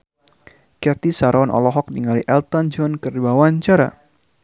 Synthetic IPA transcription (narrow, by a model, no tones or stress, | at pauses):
kɛt̪isaɾɔnʔɔ̰lɔɦɔk̚diŋaliʔɛlt̪ɔnd͡ʒɔnkərdibawaɲt͡ʃaɾa̰